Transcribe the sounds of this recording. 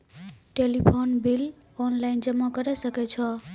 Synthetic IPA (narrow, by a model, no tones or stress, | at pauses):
ʈelipʰonbil | ɔnlaind͡ʒʌmːakʌɾesʌket͡ʃʰʌ